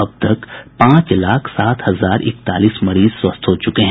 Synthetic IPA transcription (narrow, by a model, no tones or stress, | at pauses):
ɐb̚t̪ɐkpãːt͡ʃlaːkʰsaːt̪hɐzaːɾɪ̰k̚t̪a̰ːliːsmɐɾiːzswɐst̪ɦot͡ʃʊkeɦɛ̃